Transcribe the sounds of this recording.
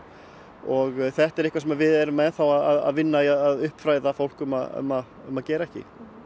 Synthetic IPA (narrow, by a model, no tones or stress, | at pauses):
ɔɣθɛht̪ɛɾɪhkvaɾsɛmavɪðɛɾʏmɛðθawaðaða̰ðvɪnːajaðaðʏhpfɾaːjðafowl̥kʏma̰ð̰mað | ʏmaðcɛːɾaɛhcɪ̰